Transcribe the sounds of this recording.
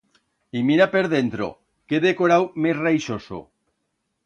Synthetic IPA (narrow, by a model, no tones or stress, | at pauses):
imiɾapeɾðent̪ɾo̰ | keðekoɾawmesrajʃoso̰